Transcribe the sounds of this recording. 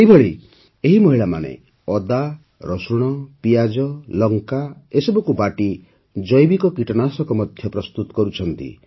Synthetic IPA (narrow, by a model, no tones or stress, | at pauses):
eibʱɔɭi | eɦimɔɦiɭama̰nḛ | ɔd̪a | ɾɔsuɽ̃ɔpijad͡ʒɔlɔŋkaesɔbɔkubaʈi | d͡ʒɔjbikɔkiʈɔnasɔkɔmɔd̪ʱjɔpɾɔst̪ut̪ɔ̥kɔɾut͡ʃʰɔnt̪ḭ